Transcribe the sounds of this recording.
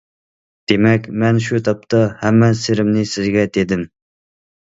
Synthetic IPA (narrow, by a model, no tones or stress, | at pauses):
d̪̥emɛkʲmɛnʃut̪ʰɑp̚t̪ʰɑhæmːɛseɾɪmnɪsɪzɡʲɛd̪ed̪ɪm